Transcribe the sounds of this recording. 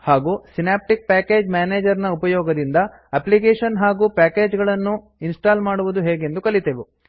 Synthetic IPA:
haːɡuːsinaːp̚ʈik̚paːke̞ːd͡ʒmjaːneːd͡ʒɐɾnɐupɐjɔːɡɐd̪ind̪ɐ | ɐplik̬eːʂɐnɦaːɡuːpæːke̞ːd͡ʒɡɐɭɐnːu | insʈaːlmaːɽuʋud̪uɦeːɡe̞nd̪ukɐlit̪eːʋe

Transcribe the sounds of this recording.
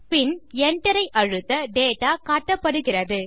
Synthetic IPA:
pɪnɛɳʈɐɾɐɪʔɐɻɯt̪ːɐɖeːʈːaːkaːʈːɐpːɐɽɯɣɪrɐðɯ

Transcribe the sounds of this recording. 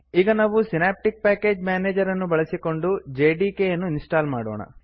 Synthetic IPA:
iːɡɐnaːʋusinaːp̚ʈik̚paːke̞ːd͡ʒmjaːneːd͡ʒɐɾɐnːubɐɭɐsiko̞ɳɖud͡ʒeːɖiːkejɐnːuinsʈaːlmaːɽoːɳɐ̰

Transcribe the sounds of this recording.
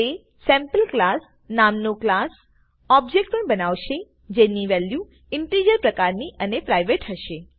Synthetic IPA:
e | sɛ̃mpəlklas | namnõklas | ɔb̚d͡ʒek̚ʈ̚pəɳbənaʋʃe | d͡ʒeniʋɛlju | ɪɳʈɾijəɾpɾəkaɾniʔənepɾajʋeʈɦəʃe

